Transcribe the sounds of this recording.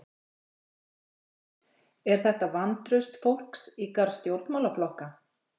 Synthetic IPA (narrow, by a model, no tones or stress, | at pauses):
ɛɾ̥θɛht̪avant̪ɾʏst̪fowl̥ksikaɾst̪jowɾt̪mawlaflɔhka